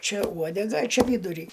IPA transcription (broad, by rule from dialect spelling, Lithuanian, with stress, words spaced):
ˈt͡ʃʲɛ ˈuɔdʲɛɡɐ ɐ ˈt͡ʃʲæːˈʋʲiːdʊrʲiː